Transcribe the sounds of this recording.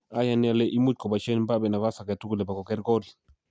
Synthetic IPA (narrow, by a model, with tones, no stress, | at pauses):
a˦ja˨nɛ˦a˨lɛ˦ʔi˦mu˦t̚kɔ˨ba˨ʃɛ˦n˦mba˦bɛ˨na˨βa˦sa˨kɛ˨tu˦ku˦lɛ˨ba˨kɔ˨kɛ˦ɾɡɔ˦l